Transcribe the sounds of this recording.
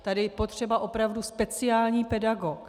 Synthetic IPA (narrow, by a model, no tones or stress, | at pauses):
t̪adɪpot̪r̝̥ɛbaʔo̞pɾavduspɛt͡sɪaːlɲiːpɛdaɡok